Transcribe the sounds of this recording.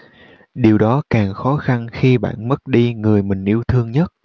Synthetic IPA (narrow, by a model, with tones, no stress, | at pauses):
ɗi˨˩əwɗɔ˨˦kaː˨˩ŋxɔ˨˦xa˧nxi˧ɓa̰ː˧˨nmə˦˥t̚ɗi˧ŋɨ˨˩əjmï˨˩ŋ̟ʔi˧əwt̪ʰɨ˧əŋɲə˦˥t̚